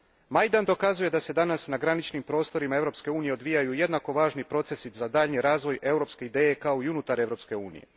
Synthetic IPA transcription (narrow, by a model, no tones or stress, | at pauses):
majd̪and̪o̞kazuje̞d̪ase̞d̪anasnaɡɾanit͡ʃnimpɾo̞ːst̪o̞ɾimae̞vɾo̞pske̞uːnije̞o̞d̪ʋijajuje̞d̪nako̞ʋaːʒnipɾo̞t̪se̞sit̪zad̪aːʎniɾaːzʋo̞jʔe̞wɾo̞pske̞id̪e̞ːje̞kao̞iunuːt̪aɾe̞ʋɾo̞ːpske̞uːnḭje̞̰